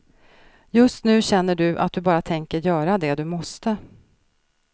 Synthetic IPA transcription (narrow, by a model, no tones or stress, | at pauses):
jɵst̪nʉ̟ːɕɛnːəɖɵʔa̰t̪̚d̪ɵbɑːɾat̪ʰɛŋkəɾjœːɾad̪ɛd̪ɵmɔst̪ə